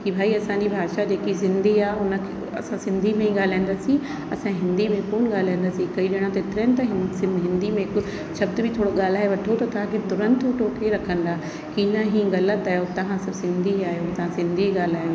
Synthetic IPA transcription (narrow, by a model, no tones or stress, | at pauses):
kibʱaːiɐsãɲd͡ʑibʱaːʃad͡ʑeːkizɪ̃nd̪iaːɦʊnə̆kʰe | ɐ̰sãsɪ̃nd̪ʱimẽĩɠaːl̤aːĩnd̪aːsĩ | ɐsãɦɪ̃nd̪imẽpʊñɠaːl̤aːĩn̆d̪aːsĩkɐiɗɪɽ̃ãt̪ɐɪt̪ɪɾənɪt̪ɐɦɪsɦɪ̃nd̪imẽkʊ | ʃɐb̚d̪bʱɪt̪ʰoːɽoɠaːl̤aːɦeʋɐʈʰot̪ɐt̪ɐʋ̤ãkʰet̪ʊɾə̃nt̪ʊʈʰoːʈʰeɾɐkʰə̃nd̪aːɦ | kiːnãɦĩːɣɐlət̪aːjot̪ɐʋãsɐbsɪ̃nd̪ʱiaːijot̪ɐʋ̤ãsɪ̃nd̪ʱiɠaːl̤aːjo